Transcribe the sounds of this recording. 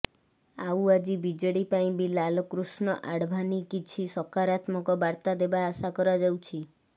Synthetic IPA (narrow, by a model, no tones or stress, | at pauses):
awad͡ʒibid͡ʒɔɽipaĩbilalɔkɾusnɔʔaɽbʱanikit͡ʃʰisɔkaɾat̪mɔkɔbaɾt̪ad̪ebaːsakɔɾad͡ʒawt͡ʃʰi